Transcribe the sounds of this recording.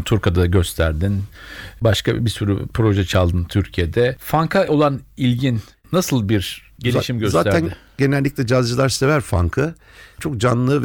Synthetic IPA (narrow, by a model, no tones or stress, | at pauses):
t̪ʰuɾkad̪aɟø̞st̪ʰæɾd̪inbaʃka̰bisuɾypɾo̞ʒɛt͡ʃʰalˠd̪ɯnt̪ʰyɾcʰije̞d̪ɛfaŋkʰao̞lˠanilʲɟinː | asɯlˠbiɾɟeaʃimɟøzaːænɟe̞nælʲːiclʲɛd͡ʒazd͡ʒɯlˠaɾse̞væɾfa̰ŋkʰɯ | t͡ʃʰo̞kd͡ʒanlˠɯv